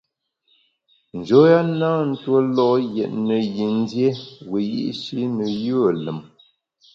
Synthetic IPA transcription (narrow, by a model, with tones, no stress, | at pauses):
n̩˨d͡ʒo˨˦ja˦na˦n̩˦two˦lɔ˦˨jɛ̰˨ʔ̚nə˨ji˨n˦dje˦we˨jḭ˦ʔʃi˦nə˨jə˦˨lə˨m